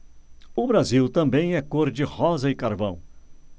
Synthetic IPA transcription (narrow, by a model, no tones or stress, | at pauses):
ʊbɾaziwt̪ɐ̃mbẽj̃ɛkoɾd͡ʒɪhɔzɐɪkaɾvɐ̃w̃